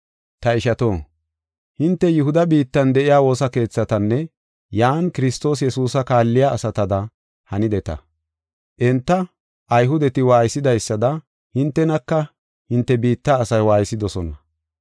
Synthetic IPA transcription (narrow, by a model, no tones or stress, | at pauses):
t̪ɐɪʃɐt̪o̞ː | hɪnt̪ːɛjʊɦʊd̪ɐbiːt̪ːɐnd̪ɛʔɪjaːwo̞ːsɐke̞ːt͡sːɐt̪ɐnːɛ | jaːnkɪɾɪst̪o̞ːs̬jɛsuːsɐkaːlːɪjaʔːsɐt̪ɐd̪ɐ | hɐnɪd̪ɛt̪ɐ̰ | ʔɛnt̪ːɐ | ʔɐjɦʊd̪ɛt̪ɪwaːjsːɪd̪ɐjsːɐd̪ɐ | hɪnt̪ːɛnɐkːɐ | hɪnt̪ːɛbiːt̪ːaːsɐjwaːjsɪd̪ɔsɔnɐ